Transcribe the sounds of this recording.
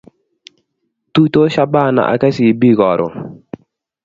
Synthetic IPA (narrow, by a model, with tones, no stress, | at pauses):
tu˦to˦ʃa˦ba˦˨na̰˨ʔa̰˨kɛ˦si˨bi˦ɡɔ˨ɾɔ̰˨